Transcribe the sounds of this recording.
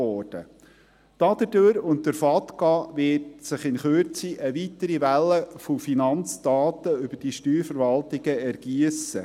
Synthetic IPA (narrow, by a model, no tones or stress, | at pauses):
ɔːɾd̥ə̰ | d̥ɑd̥əd̥øɾʊntdəɾfɑtkɑʋɪtsɪχɪnχøɾt͡siʔəʋitəɾiʋælːəfofinɑnt͡sd̥ɑːt̪əʏb̥əd̥iʃtyːɾfəɾvɑltɪɡ̥əɛɾɡ̥iəsə